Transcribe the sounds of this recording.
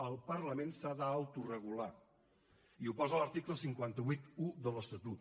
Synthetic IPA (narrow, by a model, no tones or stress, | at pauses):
əlˠpəɾləmensaðəawt̪urəɣ̞ula | iupɔzələɾt̪ikləsiŋkwant̪əβit̪uðələst̪ət̪ut̪̚